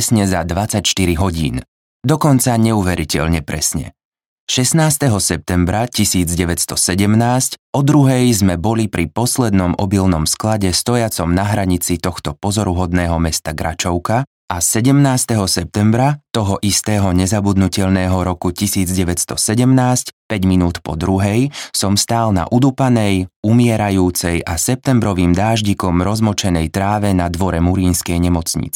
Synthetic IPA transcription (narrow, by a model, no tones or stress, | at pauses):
sɲɛzad̪ʋat͡sacʃt̪iɾiɦɔɟiːn | d̪ɔkɔnt͡saɲɛuʋɛɾicɛ̰ʎɲɛpɾɛsɲɛ̰ | ʃɛsnaːst̪ɛɦɔsɛp̚t̪ɛmbɾacisiːd͡zɟɛʋɛcst̪ɔsɛɟɛmnaːscɔd̪ɾuɦɛjzmɛbɔlipɾʔipɔslɛd̪nɔmʔɔbilnɔmsklaɟɛst̪ɔjat͡sɔmnaɦɾaɲit͡sit̪ɔxt̪ɔpɔzɔɾuɦɔd̪nɛːɦɔmɛst̪aɡɾa̰t͡ʃɔʊka | ʔasɛɟɛmnaːst̪ɛɦɔsɛp̚t̪ɛmbɾat̪ɔɦɔʔist̪ɛːɦɔɲɛzabud̪nucɛʎnɛːɦɔɾɔkucisiːd͡zɟɛʋɛt̪st̪ɔsɛɟɛmnaːscpɛɟminuːt̪pɔ̰d̪ɾuɦɛjsɔmst̪aːlna̰ʔud̪upanɛjumɪɛɾajuːt͡sɛjʔasɛp̚t̪ɛmbɾɔʋiːmd̪aːʒɟikɔmɾɔzmɔt͡ʃɛnɛjt̪ɾaːʋɛnad̪ʋɔɾɛmuɾiːnskɛjɲɛmɔt͡sɲḭt͡s